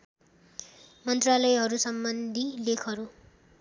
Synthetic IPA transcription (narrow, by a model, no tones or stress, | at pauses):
mʌnt̪ralʌjɦʌɾusʌmbʌnd̪ʱilekʰʌɾu